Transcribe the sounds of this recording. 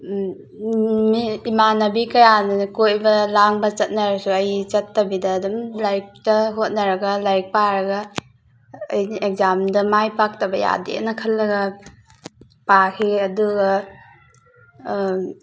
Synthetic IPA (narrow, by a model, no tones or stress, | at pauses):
miːmanɐbikɐjankojbɐlaŋbɐt͡ʃɐt̚nɐɾsuɐjt͡ʃɐtːɐbidɐːdumlajk̚tɐɦot̚nɐɾɐɡɐlajk̚paɾɐɡɐː | jnʔek̚zamdɐmajpak̚tɐbɐja̰dḛnɐkʰɐlːɐɡɐ | pakʰiɐduɡɐ